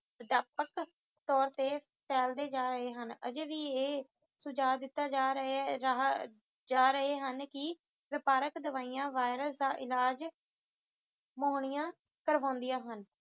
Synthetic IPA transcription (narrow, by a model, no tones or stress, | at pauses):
əd̪aːpək | t̪ɔːɾt̪eː | pɛːld̪eːd͡ʒaːɾəɦeːɦənə̰d͡ʒeːʋiːeː | sʊd͡ʒaːd̪ɪt̪ːaːd͡ʒaːɾe | d͡ʒaːɾəɦeːɦənkɪ | ʋɪpaːɾəkd̪əʋaːiːjãːʋaːɪɾəsd̪aːʔɪlaːd͡ʒ | moːɳ̃ijãː | kəɾʋãːnd̪ijãːɦən